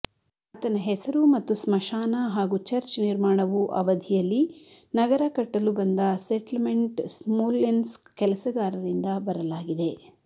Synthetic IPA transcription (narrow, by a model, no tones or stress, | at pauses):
ɐt̪ɐnɐɦɛsɐɾumɐt̪ːusmɐʃaːnɐɦaːɡut͡ʃɐɾt͡ʃniɾmaːɳɐʋuʔɐ̰ʋɐd̪ʱijɐlːinɐɡɐɾɐkɐʈːɐlubɐnd̪ɐseʈlmeɳʈsmoːlːenskɛlɐsɐɡaːɾɐɾind̪ɐbɐɾɐlaːɡid̪e̞